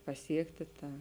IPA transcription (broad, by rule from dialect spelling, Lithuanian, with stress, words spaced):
pɐˈsʲiɛktʲɪ ˈtɑː